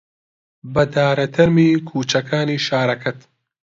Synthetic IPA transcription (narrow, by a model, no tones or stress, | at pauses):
bɐd̪aːɾɐt̪ʰɐɾmiːkʰuːt͡ʃɐkʰaːniːʃaːɾɐkʰɐt̪